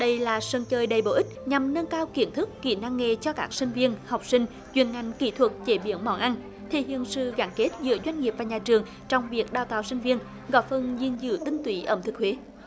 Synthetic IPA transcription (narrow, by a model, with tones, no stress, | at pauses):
ɗə˧jlaː˨˩sə˧nt͡ɕəː˧jɗə˨˩jɓo˧˩ʔi˦˥t̚ɲa˨˩mnə˧nkaː˧wki˧˩ənt̪ʰɨ˦˥kːḭ˧˩na˧ŋːe˧t͡ɕɔ˧kaː˦˥k̚sï˧ŋ̟vi˧ənha˨˩wk͡p̚sï˧ŋ̟ | t͡ɕwḭ˧˨ənŋa˧˩jŋ̟ki˧˩˦t̪ʰwə˨˩t̚t͡ɕe˧˩ɓḭ˧˨˦əwnmɔ̰˧˩nʔa˧n | t̪ʰi˧˩hḭ˧˨ənsɨ̰˧˨ɣa˧˩nke˦˥t̚zɨ̰˧˥əzwa˧jŋ̟ŋi˨˩p̚vaː˨˩ɲaː˨˩t͡ɕɨ˨˩əŋ | t͡ɕɔ˧wŋ͡mvi˨˩ək̚ɗaː˧˩wt̪aː˨wsï˧ŋ̟vi˧ən | ɣɔ̰˧˦jfə˧nzi˧˩ənzɨ̰˧˨˦t̪ï˧ŋ̟t̪wḭ˧˨˦ʔə̰ː˧˩mt̪ʰɨ˨˩k̚hwe˨˦